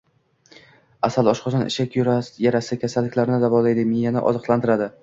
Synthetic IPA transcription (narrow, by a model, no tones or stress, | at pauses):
asalˠɒʃqʰɒsanʔɪ̰ʃakʲjʊɾajaɾasɪkʲʰasalːɪkʲlaɾɪnɪd̪avɒlˠajd̪ɪmɪjanɪ̰ʔɒ̰zɨqlˠant̪ʰɪɾad̪ɪ